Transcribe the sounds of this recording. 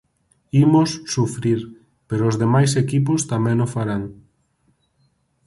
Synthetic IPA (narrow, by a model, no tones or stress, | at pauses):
imosːufɾiɾ | peɾoʊzðemajsekipʊst̪amɛ̃ŋofaɾaŋ